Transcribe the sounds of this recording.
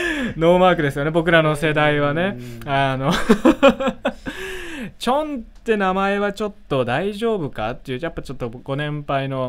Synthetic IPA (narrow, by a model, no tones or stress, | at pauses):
no̞ːmaːkɯ̟d̪e̞sɨjo̞ne̞bo̞k̬ɯ̟ɾano̞se̞d̪aiβane̞ano̞ | t͡ɕõ̞nt̪ːe̞namae̞βat͡ɕo̞t̪ːo̞d̪aiʑo̞ːbɯ̟ka̰t̪ːeiɯ̟japːat͡ɕo̞t̪ːoɡ̥o̞nẽ̞mpaino̞